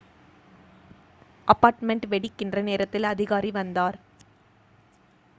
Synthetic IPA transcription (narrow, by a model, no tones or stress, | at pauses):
ʔɐpːaːɾʈmɛɳʈʋɛɽɪkːɪndrɐneːɾɐt̪ːɪlɐðɪɣaːɾiʋɐnd̪aːɾ